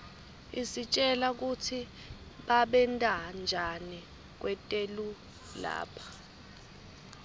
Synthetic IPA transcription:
isit͡ʃʼɛlak̬utʰi | ɓaɓɛntʼand͡ʒʱani | k̬wɛtʼelu | la̰ːpʰḁ

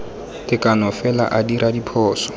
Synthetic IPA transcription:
tʼɪkʼanɔfɛla̰ʔadiɾʔadipʰɔːsɔ̥

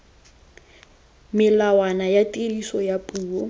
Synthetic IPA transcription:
mɪlawanajatʼilisɔjapʼuːɔ

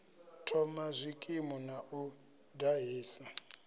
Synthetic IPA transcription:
tʰɔmazʷikʼimɔnaʔu | daɦeːsa

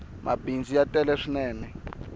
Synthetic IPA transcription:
mʔa̰bind͡zijatʼɛlɛʂinɛːnɛ

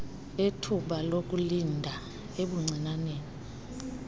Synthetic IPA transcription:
etʰuɓalok̬ulindʱa | eɓuŋ͡ǀʱinaneːni

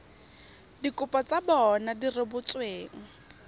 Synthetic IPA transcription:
dikʼʊpʼɔt͡sabɔnadirɪbʊt͡sweːŋ̩

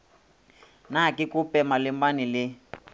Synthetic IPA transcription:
nakikupɛmalimbanilɪ

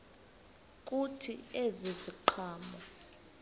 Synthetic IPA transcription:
k̬ʼutʰieziziǃʰaːmɔ

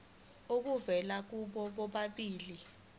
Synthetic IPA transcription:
uk̬uvɛlak̬uɓɔɓɔɓaɓiːli

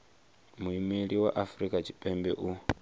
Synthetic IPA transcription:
muimiɺiwa̰ʔafɾikʼat͡ʃʰi̥pʼɛmbɛ̰ʔu

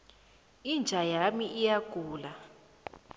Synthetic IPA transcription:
ind͡ʒʱajamiʔːjaɡ̥ʱuːla

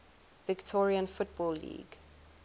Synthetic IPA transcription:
vɪktʰɔɹiə̃nfʊt̚bɔlːḭːɡ̥

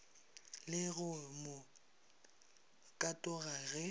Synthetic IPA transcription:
lɪɣʊmʊ | kʼatʼʊɣaɣɛ

